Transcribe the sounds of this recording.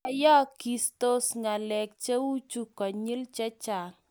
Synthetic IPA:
a˨jɔ˦ki˨sto˦sŋa˨lɛ˨k̚t͡ʃe˦wu˦t͡ʃu˦kɔ˨ɲi˦lt͡ʃɛ˦t͡ʃa˨

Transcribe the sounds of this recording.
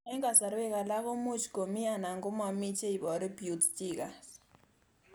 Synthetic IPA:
ɛ˦ŋɡa˨sa˨ɾwɛ˦ka˨la˦βɔ˦mu˦t͡ʃʰi̥ɡo˨mi˦a˨na˨ŋɡɔ˦ma˨mi˦t͡ʃe˦i˨βɔ˨ɾi˦bjutstʼika˨s

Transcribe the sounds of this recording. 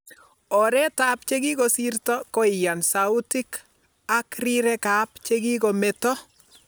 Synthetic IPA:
ɔ˨ɾɛ˦tapt͡ʃe˦ɡi˦ko˨si˦rtɔ˦ko˦ɪ˨ja˨nsa˨u˦ti˦k | a˦kri˦ɾɛ˦ka˨˦pt͡ʃe˦ɡi˦ko˨mɛ˨tɔ˦

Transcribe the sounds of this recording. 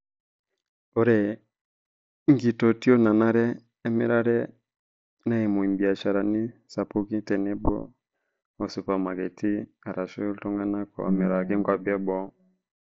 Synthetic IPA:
o˦ɾɛ˨ | ŋ˦ɡi˨to˨ti˦o˦na˨na˦ɾɛ˦ | a˦mḛ˦ɾa˦ɾɛ˦ | na˦i˨mo˨i˨mbi˨a˨ʃa˨ɾa˨ni˦sa˨pu˦ki˦tɛ˨nɛ˦bɔ̰˦ | o˨su˨pa˨ma˨ɡɛ˨tʰi˦ | a˨ɾa˨ʃu˦tɔ˦ŋɡa˦na˦kɔ̰˨a̰˨me˨ɾa˨ki˦ŋɡwa˦bi˦a˦bɔ˦

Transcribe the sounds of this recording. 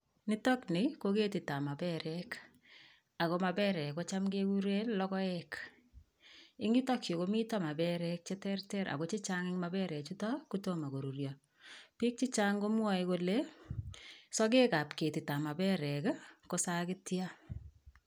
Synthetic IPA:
ni˦tɔ˦knɪ˨ko˦ke˦ti˨ta˨ma˨bɛ˦ɾɛk | a˨ko˨ma˨bɛ˦ɾɛ˨ko˦t͡ʃa˦mɡekuɾe˦llɔ˦kɔ˦ɛk | ɪ˦ŋɡi˦tɔ˦kjo˨ko˦mi˦tɔ˦ma˨bɛ˦ɾɛk̚t͡ʃe˦tɛrtɛ˦ɾʔa̰˨ko˨˦t͡ʃi˦t͡ʃa˦ŋɪ˦ŋma˦bɛ˦ɾɛ˨t͡ʃu˦tɔ˦ku˦to˦ma˨ɡo˨ɾu˨rjɔ | pi˦k̚t͡ʃi˦t͡ʃa˦ŋɡo˦mwa˦iko˨le˦ | sɔ˦k̬e˦ka˨pke˨ti˨ta˨ma˨bɛ˦ɾɛ˨kko˦sa˦kɪ˦tja˦

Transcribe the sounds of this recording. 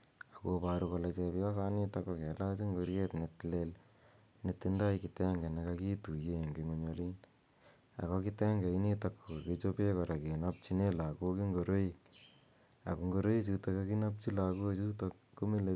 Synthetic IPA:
a˨ko˦paɾukɔ˧lɛ˧t͡ʃe˧pjɔ˦sa˦ni˦takːɔ˧ke˨la˦t͡ʃi˦ŋɡo˧ɾje˦tnetlel | netːi˦nda˦jki˨tɛ˦ŋɡe˨ne˧ka˧ki˦tu˨je˦˨ŋɡi˨ŋo˦ɲoli˦n | a̰˨kɔ˧ki˦tɛ˦ŋɡe˨i˦ni˦takʰːo˨ket͡ʃo˦pe˦kɔ˨ɾa˨ki˨nap̚t͡ʃine˦la˨koki˦ŋɡo˨ɾo˦ik | a̰˨ku˨ŋɡo˧ɾo˦ji˦t͡ʃu˧to˧ka˦ki˦na˦p̚t͡ʃi˦la˨ko˦t͡ʃu˦to˧kːo˦mi˦le˨

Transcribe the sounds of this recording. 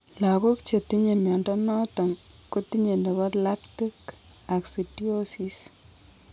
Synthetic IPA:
la˨ko˦kt͡ʃe˨ti˦ɲe˨mjɔ˨ndɔ˦nɔ˦tɔ˨n | ko˦ti˦ɲe˨nde˨βa˦tla˦kti˦k | a˨ksi˨ti˦o˦si˨s

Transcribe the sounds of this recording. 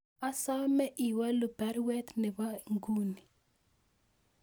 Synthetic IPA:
a˦sa˦mɛ˦ʔi˨wa˦lʊ˨bɛ˨˦ɾwɛ˦t̪nɪ˨wa˦ŋɡu˦ni˨

